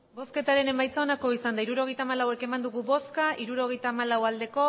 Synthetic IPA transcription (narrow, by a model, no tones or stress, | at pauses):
bo̞ske̞t̪aɾe̞ne̞majt͡saonako̞isand̪aiɾuɾo̞ɣ̞e̞jt̪aːmalawe̞ke̞mand̪uɣuβo̞skaʔiɾuɾo̞ɣ̞e̞jt̪aːmalawald̪e̞ko̞